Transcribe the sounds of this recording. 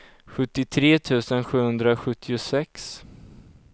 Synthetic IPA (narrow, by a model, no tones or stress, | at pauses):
ɧɵt̪ːɪt̪ʰɾeːt̪ʰʉ̟ːsənɧʉ̟ːhɵnd̪ɾaɧɵt̪ʰːɪʊsɛks